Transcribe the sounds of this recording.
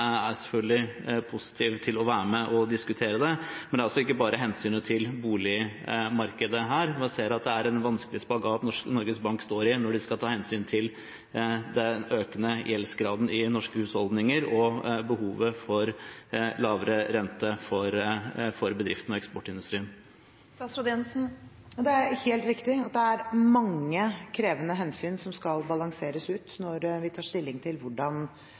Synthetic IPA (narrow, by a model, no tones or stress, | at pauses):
æɾsɛfœlɡ̪d̪ɪpʰʊsɪ̥t̪ʰiːʋt̪ʰɪlɔʋæːɾmɛʔɔd̪ɪskʉt̪ʰeːɾəd̪ɛmɛnæɾɑlsɔɪkːəbɑːɾəɦɛnsyːnət̪ʰɪlbuːlɪmɑɾkəd̪əɦæːɾʋɛseːəɾɑt̪̚d̪ɛæɾɛnʋɑnskəlɪspɑɡɑʋɑt̪nɔʂknɔɾɡəsbɑŋkst̪oːɾɪnɔɖɪskɑlt̪ʰɑːhɛnsyːnt̪ʰɪl | d̪ɛøːkənəjʔɛlsɡɾɑːd̪n̩ɪnɔʂkəhʉːshɔld̪nɪŋəɾɔbəhuːʋəfɔɾlɑːʋəɾəɾɛnt̪əfɔɾfɔɾbəd̪ɾɪft̪n̩ɔɛkspɔʈːɪnd̪ʉst̪ɾiːən | ɑsɾɔd̪ɪɛnsn̩ | jd̪ɛæɾheːlt̪ɾɪkt̪ɪɑt̪̚d̪ɛæɾmɑŋːəkʰɾeːʋənəɦɛnsyːnsɔmskɑlbɑlɑŋseːɾəsʉːt̪nɔɾʋɪt̪ʰɑːʂt̪ɪlːɪŋt̪ʰɪlʋʊɖɑn